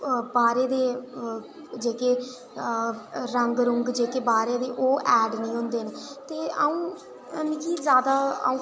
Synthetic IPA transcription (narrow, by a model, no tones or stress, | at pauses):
baːɾeːd̪eː | d͡ʒeːkeː | ɾəŋɡɾʊŋɡd͡ʒeːkeːbaːɾeːd̪eːʔoːʔɛːɖnĩːɦʊ̃nd̪eːnt̪eːaːũː | mĩkizjaːd̪a̰ːũː